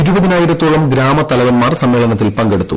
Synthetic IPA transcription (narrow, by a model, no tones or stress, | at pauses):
iɾubɐðinaːjiɾɐt̪ːoːɭɐmɡɾaːmɐt̪ːɐlɐʋɐnmaːrsɐmʋeːlɐnɐt̪ːilpɐŋɡe̞ɽut̪ːṵ